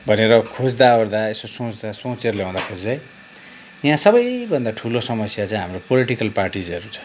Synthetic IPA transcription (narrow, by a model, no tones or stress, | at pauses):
bʱʌneɾʌkʰod͡zd̪aord̪aesosõt͡sd̪asõt͡seɾleãd̪akʰod͡zaj | jãsʌbʌjbʱʌnd̪aʈʰulosʌmʌsjat͡saĩɦamropoliʈikʌlparʈid͡zʌɾut͡sʰʌ̥